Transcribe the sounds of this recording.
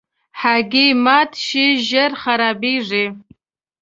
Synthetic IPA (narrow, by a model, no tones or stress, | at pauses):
ħaɡʲɪjmatʰʃɪʒɪrχaɾabiʐʷi